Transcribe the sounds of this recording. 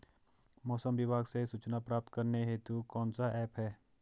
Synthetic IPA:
mɔːsəmʋɪbʱaːɡsesut͡ʃnapɾaːp̚t̪kɐɾneɦeːt̪ukɔːnsaɛːpɦɛː

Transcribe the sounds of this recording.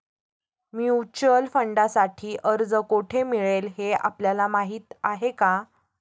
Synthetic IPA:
mjuut͡ɕəlfəɳɖasaʈʰiːʔəɾd͡zəkoʈʰemiɭelɦea̰pljalamaɦiːt̪aɦeka

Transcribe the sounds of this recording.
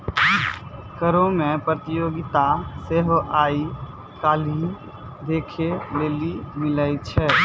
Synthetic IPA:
kəɾõmẽpɾət̪ɪjoːɡɪt̪aseːɦʔaːi | kaːli | d̪eːkʰeleːlimɪlait͡ʃʰɛː

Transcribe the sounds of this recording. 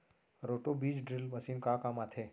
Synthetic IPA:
ɾoʈobiːd͡ʒɖɾɪlʋəsinkakamat̪ʰe

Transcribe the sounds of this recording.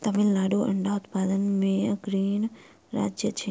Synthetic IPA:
t̪ɐmɪllaːɖoʔɐ̰̃ɳɖaːʊt̪paːd̪ənmẽɐɡɾiːn | ɾa̰ːd͡ʒjət͡ɕʰeː

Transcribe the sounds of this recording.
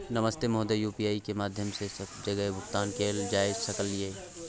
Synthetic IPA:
nɐməst̪emoːd̪ejuːpijaːikemaːd̪ʱjəmsesɐbd͡ʒɐɡəebʊkt̪aːnkʰeːld͡ʒaːɪd͡ʒsɐkəlːie

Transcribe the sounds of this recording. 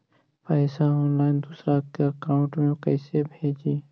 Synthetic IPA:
pɛːsaɔːnlaːɪnd̪uːsɾakeəkaːʊ̃ɳʈmẽkɛɪsebʱeːd͡ʒiː

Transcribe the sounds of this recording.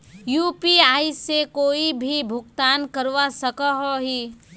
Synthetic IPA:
juːpiaːisːekoːibʱibʱʊɡt̪aːnkəɾwasɐkaɦɔɦiː

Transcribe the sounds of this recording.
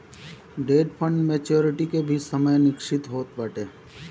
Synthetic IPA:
ɖeːɖpʰə̃ɳɖmeːt͡ʃoːɾɪʈikebʱisəməjnɪkʃɪt̪ɦoːt̪bəʈeː

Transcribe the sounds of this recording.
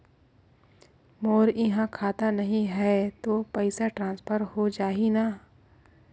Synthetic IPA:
moːɾɪɦãkʰaːt̪anɐɦĩɦɛt̪oːpɐɪsaʈɾãːnspʰəɾɦod͡ʒaːinaː

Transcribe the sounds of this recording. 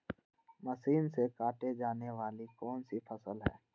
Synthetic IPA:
mɐsiːnsekaːʈed͡ʒaːneʋaːlikɔːnsipʰɐsəlɦɛ̰ː

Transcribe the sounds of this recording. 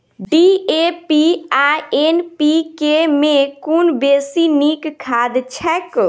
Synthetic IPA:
ɖiepiaenpikemẽkunbesinikkʰːad̪t͡ʃʰɛk

